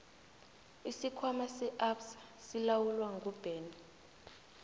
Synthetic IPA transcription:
isikʰwamasɛʔapsḁ | silawulwaŋɡʱub̥ʱɛːn

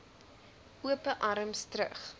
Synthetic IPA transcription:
ʔuəpəʔɐɾəmstɾə̰χ

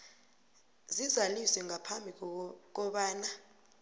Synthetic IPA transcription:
zizalisɛŋʱapʰambʱik̬ɔɓaːna

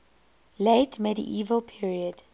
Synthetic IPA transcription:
leɪtmɛɾḭʔiːvəlˠpʰiɹiəd̥

